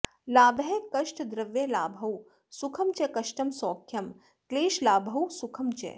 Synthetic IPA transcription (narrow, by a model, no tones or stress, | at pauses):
laːbɦekɐʃʈd̪ɾɐʋjelaːbʱɐw | sukʰɐmt͡ʃekɐʃʈɐmsoːkʰjɐm | kleːʃlaːbʱɐwsukʰɐmt͡ʃḛ